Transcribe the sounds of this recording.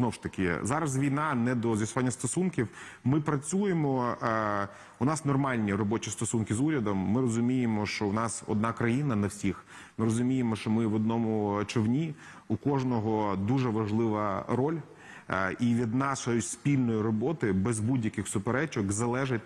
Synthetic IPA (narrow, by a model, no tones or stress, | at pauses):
znɔwʂt̪ɐkɪ̰zɑɾɐz̬ʋʲijnɑnɛd̪ɔzʋjʲɐsʊʋanʲːɐst̪ɔsunkʲiw | mɪpɾɐt͡sʲujemɔ | ʊnɑsnɔrmɑlʲnʲiɾɔbɔt͡ʃist̪ɔsunkʲɪzuɾʲɐd̪ɔmːɪɾɔzʊmʲijemɔʃt͡ʃɔwnɑsɔ̰d̪nɑkɾɐjinɐnɐwsʲix | mɪɾɔzʊmʲijemɔʃt͡ʃɔmɪʋɔd̪̚nɔmʊt͡ʃɔwnʲi | ukɔʒnɔɦɔd̪uʒɛʋɐʒlˠɪʋɐɾɔlʲ | iʋʲid̪nɑʃɔjispʲilʲnɔjiɾɔbɔt̪ɪbɛzbudʲjɐkɪxsʊpeɾɛt͡ʃɔkzɐlˠɛʒɪt̚ʲ